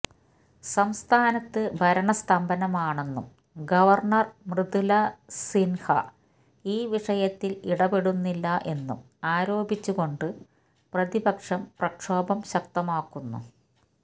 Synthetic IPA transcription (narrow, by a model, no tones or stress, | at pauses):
sɐmst̪ʰaːnɐt̪ːɨbʱɐɾɐɳɐst̪ʰɐmbɐnɐmaːɳe̞nːum | ɡɐʋɐrɳɐrmrɨd̪ulɐsinhɐ̰ | iːʋiʂɐjɐt̪ːiliɽɐpeɽunːilːɐʔe̞nːum | aːɾo̞ːbit͡ɕːuɣo̞ɳɖɨ | prɐðibɐkʂɐmprɐkʂoːbɐmɕɐkt̪ɐmaːkːunːṵ